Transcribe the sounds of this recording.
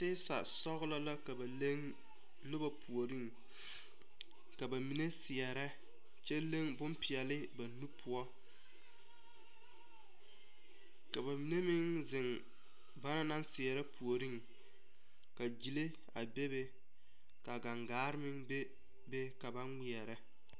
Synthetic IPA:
tɪ˦sa̰˨sɔ˦ɣʊ˦la˦la˦ka˨ba˨le˦ŋ | nʊ˦ba˨pʰu˨o˨ɾi˦ŋ | ka˨ba˨mi˨ne˦sɪ˨ɛ˨ɾɛ˦ | t͡ʃɛ˦le˦ŋbʊ˦mpɪ˨ɛ˨lɪ˦ba˨nu˦pʰʊ˦ɔ˦ | ka˨ba˨mi˨ne˦mɪ˦ŋzɪ˨ŋ | ba˦na˦na˦nsɪ˨ɛ˨ɾɛ˦pʰu˨o˨ɾi˦ŋ | ka˨d͡ʒi˨le˦ | a̰˨be˦be˦ | ka˨ɡa˨ŋɡaː˨˦ɾɪ˦mɪ˦ŋbe˦ | be˦ka˨ba˦ŋŋi˨ɛ˨ɾɛ˦

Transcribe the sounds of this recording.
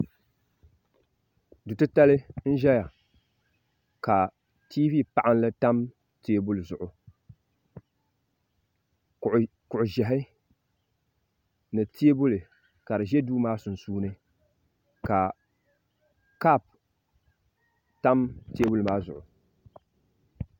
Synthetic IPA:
dʊ˨tɨ˦ta˦lɨ˦n̩˦ʒɛ˦ja˨ | ka˨ | ti˦vi˦˨pa˨ʔa˦n˦lɨ˦ta˦m | te˦e˦bʊ˦lɨ˨zʊ˨ʔʊ˨ | kʊ˨ʔʊ˨ʒɛ˨ɦɪ˦ | nɨ˨tʰe˦e˦bʊ˦lɨ˨ | ka˨dɨ˨ʒɛ˦duː˦maː˦sʊ˨n̩˨suː˦nɨ˦ | ka˨ | ka˦˨p | ta˦mte˦e˦bʊ˦lɨ˨maː˦zʊ̰˨ʔʊ˨

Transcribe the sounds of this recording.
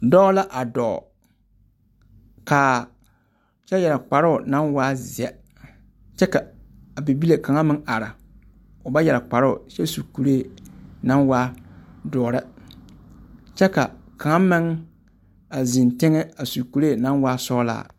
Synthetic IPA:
dɔː˦la˦ʔa˨dɔ̰˨ | ka˨ | t͡ʃɛ˦jɛ˨la˨k͡pa˨ɾʊ˦ʊ˨na˦nwa˦zɛ˨ | t͡ʃɛ˦ka˨a˨bi˨bi˦le˨ka˨ŋa˦mɪ˦ʔa˨ɾɪ˨ | ʊ˨ba˦jɛ˨la˨k͡pa˨ɾʊ˦ʊ̰˨t͡ʃɛ˦su˨ku˨ɾe˦˨na˦nwa˦dɔː˨ɾɪ˦ | t͡ʃɛ˦ka˨ka˨ŋa˦mɪ˦ŋ | a˨zɪ˨ntɪ˦ŋɛ˦a˨su˨ku˨ɾe˦˨na˦nwa˦sɔː˦la̰ː˨

